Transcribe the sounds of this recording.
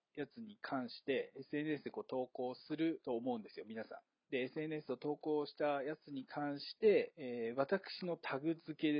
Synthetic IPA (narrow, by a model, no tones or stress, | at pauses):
jat͡sɨɲ̟ikʰãɰ̃ɕi̥t̪e̞esɨe̞nesɨd̪eko̞ːt̪o̞ːko̞ːsɨɾɯ̟t̪o̞ːmo̞ɯ̃nd̪e̞sɨjo̞mʲinasã̰n | d̪e̞ːsɨe̞ne̞sɨo̞t̪o̞ːko̞ːɕi̥t̪ajat͡sɨɲ̟ikʰãɰ̃ɕi̥t̪e̞ːβ̞at̪akɯ̟̥ɕino̞t̪ʰaɡɯ̟zɨke̞d̪